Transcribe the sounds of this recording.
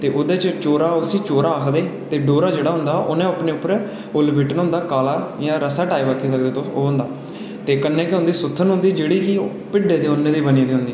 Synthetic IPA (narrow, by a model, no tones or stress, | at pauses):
t̪eːʔʊd̪eːt͡ʃt͡ʃoːɾaːʊsĩːt͡ʃoːɾaːəkʰd̪eːt̪eːɖoːɾaːd͡ʒeːɽaːɦʊ̃nd̪aːʔʊnẽːəpneːʊpːəɾ | ʊlbɪʈənɦʊ̃nd̪aːkaːlaːjãːɾəsaːʈaːiʋəkʰːiːsəkd̪eːt̪ooːɦʊnd̪aː | t̪eːkənːẽːkɦʊ̃nd̪iːsʊt̪ʰːənɦʊ̃nd̪iːd͡ʒeːɽiːki | pɪɖːeːd̪iːʊnːẽːd̪iːbənĩːd̪iːɦʊ̃nd̪iː